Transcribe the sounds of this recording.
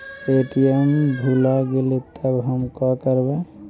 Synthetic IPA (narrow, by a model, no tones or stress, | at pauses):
peʈijəmɡʱulaɡelet̪ʰəbɦəmkɔ̃kəɾbẽ